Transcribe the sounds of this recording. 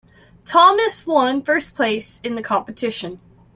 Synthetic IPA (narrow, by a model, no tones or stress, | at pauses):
tʰɑmɨswʌ̃nfɜ˞spʰl̥eɪsɨ̃nðɨkʰɑ̃mpɨtʰɪʃɨ̃n